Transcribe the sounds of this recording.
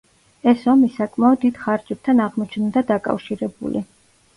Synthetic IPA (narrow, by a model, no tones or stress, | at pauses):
ɛsɔmisakʼmaɔd̪ːid̪̥χaɾd͡ʒʼɛp̚t̪ʰanaʁmɔt͡ʃʰnd̪ad̪akʼa̰fʃiɾɛbṵlḭ